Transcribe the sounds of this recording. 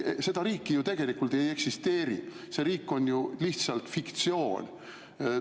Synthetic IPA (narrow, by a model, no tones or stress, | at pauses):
se̞d̪̥ɑɾiːkːijut̪e̞ɡ̥e̞likːˑult̪e̞jeksist̪e̞ːɾḭ | se̞ɾiːkːˑo̞nʲjuliht̪sɑlt̪fikt̪sio̞ːnʲ